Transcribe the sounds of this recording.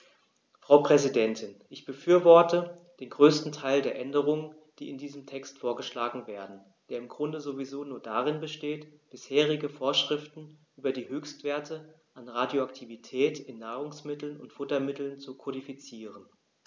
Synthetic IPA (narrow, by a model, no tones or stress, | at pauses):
fʁ̥aʊpʁ̥ɛzidɛntʰɪnʔɪçb̥əfyːɐvɔɐtə | d̥eːnɡʁøːstn̩tʰaɪldeːɐʔɛndəʁ̞ʊŋən | d̥ḭːɪndiːzəmtʰɛkstfoːɐɡəʃlaːɡŋ̩veːɐdn̩ | d̥eːɐɪmɡʁʊndəzovizoːnuːɐdaːʁɪnbəʃteːtb̥ɪsheːʁ̞ɪɡəfoːɐʃʁ̥ɪftn̩ʔyːbɐdiːɦøːçstv̥eːɐtʰə | ʔanʁaːdjoaktʰivitʰɛːtɪnːaːʁʊŋsmɪtl̩nʊntfʊtɐmɪtl̩nt͡sukʰɔdifit͡siːʁən